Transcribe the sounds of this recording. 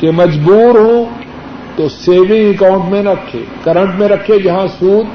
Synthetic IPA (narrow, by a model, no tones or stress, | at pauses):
kemɐd͡ʒbuːɾɦõ | t̪oseːʋɪ̃ŋɪkãʊ̃ɳʈmẽɾɐkʰːḛːkɐɾə̃ɳʈmẽɾɐkʰːed͡ʒɐɦãsuːd̪̚